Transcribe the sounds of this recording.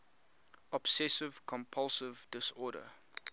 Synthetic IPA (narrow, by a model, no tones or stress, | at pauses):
ɔb̥sɛsɪv̥kʰɔ̃mpʰʌlsɪvdɪsɔːɾə̰